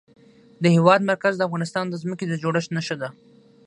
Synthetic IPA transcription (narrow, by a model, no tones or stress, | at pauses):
d̪əhewɑd̪maɾkazd̪əafɣɑnɪst̪ɑnd̪əzməked̪əd͡ʒoɽəʃt̪nəʃəd̪a